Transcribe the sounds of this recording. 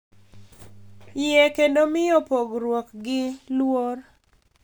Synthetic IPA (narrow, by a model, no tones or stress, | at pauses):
jɛkendomɪjɔpoɡɾwɔkɡɪlwor